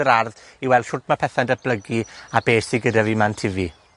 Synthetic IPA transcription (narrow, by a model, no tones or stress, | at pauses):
əɾarð | iwɛlˠd̥ʃʊrtʰmapʰɛθandəb̥ləɡiabeːsiɡədavimantʰɪvi